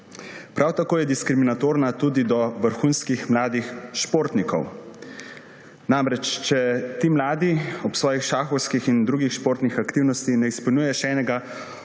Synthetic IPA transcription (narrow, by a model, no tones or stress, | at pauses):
pɾʔawt̪akoːjɛd̪iskɾiminat̪oːɾnat̪ud̪id̪ɔʋəɾxunskixmlaːd̪ixʃpoːɾt̪nikɔ̰w | namɾɛt͡ʃt͡ʃɛt̪imlaːd̪iɔpsʋɔːjixʃaːxɔwskixind̪ɾuːɡixʃpoːɾt̪nixakt̪iːwnɔst̪inɛispulnʲujɛʃɛːnɛɡa